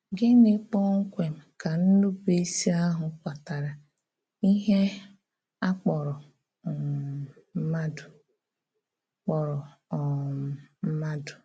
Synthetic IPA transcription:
ɡɪ˦nɪ˦k͡pɔ˦ŋ̩˦kʷe˨m̩˨ka˨n̩˦nʊ˦be˦si˦a˦ɦʊ˨˦kʷa˨ta˨ɾa˨ | i˦ɦe˦ | a˦k͡pɔ˨ɾɔ˨ | m̩˦ma˦dʊ̥˨˦ | k͡pɔ˨ɾɔ˨ | m̩˦ma˦dʊ̥˨

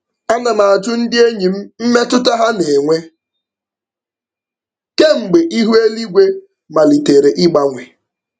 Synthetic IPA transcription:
a˦na˨na˨a˨tʊ˦n̩˦dɪ˦e˦ɲi˨m̩˦m̩˦me˦tʊ˦ta˦ɦa˦ne˨ŋʷe˦ | ke˦ŋ͡m̩˨ɡ͡be˨ʔi˦ɦu˦e˦li˦ɡʷe˦ | ma˨li˨te˨ɾe˨ʔɪ˦ɡ͡ba˨ŋʷe˨

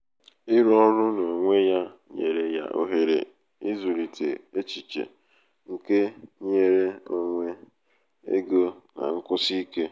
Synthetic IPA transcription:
i˦ɾɔ˦nʊ˦no˨ŋʷe˦ja˦ɲḛ˨ɾe˨ja̰˦ʔo̰˦ɦe˨ɾḛ˨ | i˦zu˨ɾi˨tʰe˨e˦t͡ʃi˨t͡ʃḛ˨ | ŋ̩˨ke˦ɲe˦ɾe˦o˦ŋʷe˦ | ḛ˦ɡo˦na̰˨ŋ̩˦kʊ˦si˦ke˦

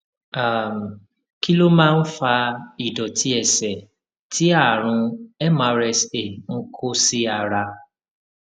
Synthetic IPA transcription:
a˨m̩˨ | ki˦lo˦mãː˦˧n̩˦fa˧i˨dɔ˨tʰi˨˦ɛ˦˨sɛ˨ | ti˨˦a˦˨ɾ̃ũ˧ɛ˦mã˧˦ɾɛ˧se˨ŋ̩˦kʰo˦si˦a˦˨ɾa˧

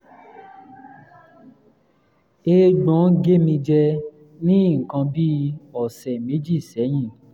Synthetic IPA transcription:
e˧ɡ͡bɔ̃˨˦ɡe˦mĩ˧d͡ʒɛ˧ | nĩ˦˨kã˧bi˦ɔ˨sɛ˨me˨˦d͡ʒi˦˨sɛ˨˦j̃ĩ˦˨

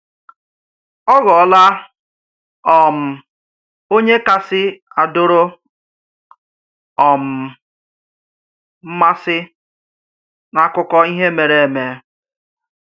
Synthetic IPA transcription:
ɔ˦ɣɔ˨ɔ˦la˦ | ɔ˨m̩˨ | o˦ɲe˦ka˦sɪ˦a˨do˦ɾo˦ | ɔ˨m̩˨ | m̩˦ma˦sɪ˦ | na˨˦kʊ˦kɔ˦i˦ɦe˦me˨ɾe˨e˨me˨

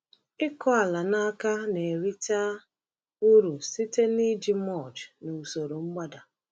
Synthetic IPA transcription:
ɪ˦kɔ˦a˨la˨na˦ka˦ne˨ɾi˦ta˦ | u˦ɾu˨si˦te˦ni˦d͡ʒi˦mɔ˦˨t͡ʃnu˨so˨ɾo˨ŋ͡m̩˦ɡ͡ba˦da˨

